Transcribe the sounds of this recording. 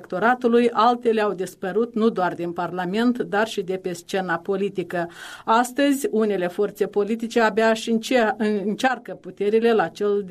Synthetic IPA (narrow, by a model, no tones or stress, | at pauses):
kt̪o̞ɾat̪ulujalt̪e̞le̞awd̪ispəɾut̪nud̪oard̪inparlame̞nt̪d̪arʃid̪e̞pe̞st͡ʃe̞napo̞lit̪ikəast̪əzʲune̞le̞fo̞rt̪se̞po̞lit̪it͡ʃe̞abeaʃiɨnt͡ʃarkəput̪e̞ɾile̞lat͡ʃe̞ld̪